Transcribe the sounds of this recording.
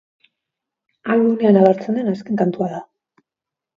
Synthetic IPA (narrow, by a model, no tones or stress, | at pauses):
alɣune̞anaβaɾt͡se̞nd̪e̞naske̞ŋkant̪uaða